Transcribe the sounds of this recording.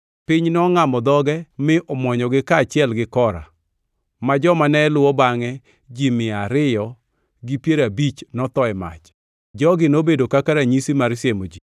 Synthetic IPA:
pɪɲnɔŋamɔd̪ɔɡɛmɪʔɔmɔɲɔɡɪkat͡ʃɪɛlɡɪkɔɾa̰ | mad͡ʒɔmanɛːlʊwɔbaŋɛ | d͡ʒimɪaɾɪjɔ | ɡɪpjeɾabit͡ʃnɔt̪ɔɛma̰t͡ʃ | d͡ʒɔɡɪnobedokakaɾaɲisimaɾsjemod͡ʒi

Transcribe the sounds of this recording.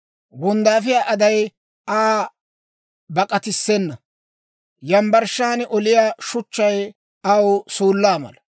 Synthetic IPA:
wɔnd̪aːf̬ɪjaːʔɐd̪ɐj | aː | bɐkʼɐt̪ɪsːɛnːɐ | jɐmbɐɾʃaːnɛʔɔlɪjaːʃʊt͡ʃːɐj | ɐwsuːlːaːmɐ̰lɐ

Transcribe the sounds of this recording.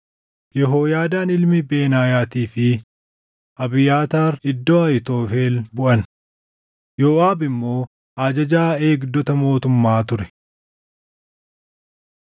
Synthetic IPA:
jɛɦo̞ːjaːd̪aːnɪlmɪbe̞ːnaːjaːt̪iːfɪ | ʔɐbɪjaːt̪aːɾɪd̪ːoːɐjɪt̪o̞ːfeːlbʊʔɐn | jo̞ːʔaːbɪmːo̞ː | ʔaːd͡ʒɐd͡ʒaːe̞ːɡd̪ɔt̪ɐmo̞ːt̪ʊmːaːt̪ʊɾɛ̥

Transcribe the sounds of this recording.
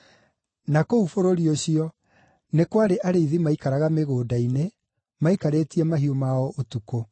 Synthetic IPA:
nakoufoɾoɾioɕiɔ | nekwaɾeʔaɾeiðimaikaɾaɣameɣoːdaine | maikaɾeːtiɛmaɦiomaɔʔotuko

